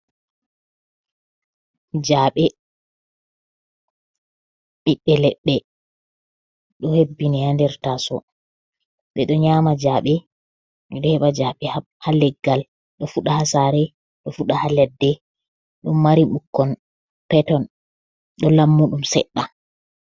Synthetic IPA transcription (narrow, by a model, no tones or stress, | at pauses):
d͡ʒaɓɛ | ɓiɓːɛlɛɓːɛ | ɗɔhebːinihandɛɾtasɔ̰ | ɓɛɗɔɲamad͡ʒaɓɛ | ɓɛɗɔhɛɓad͡ʒaɓɛ | halɛɡːal | ɗɔfuɗahasaɾɛ | ɗɔfuɗahalɛdːɛ | ɗumːaɾimukːɔn | pɛtɔn | ɗɔlamːuɗumsɛ̰ɗːa